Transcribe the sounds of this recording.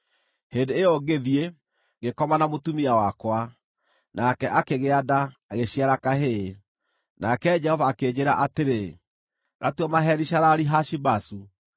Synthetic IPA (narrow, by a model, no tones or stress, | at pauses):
hendeːjɔɡeðie | ŋɡekɔmanamotumiawakwa | nakɛʔakeɣeadaːɣeɕiaɾakaɦe | nakɛd͡ʒɛhɔvaːked͡ʑeɾaʔateɾe | ɣatwamaɦɛɾiʃaɾaɾiɦaʃibasu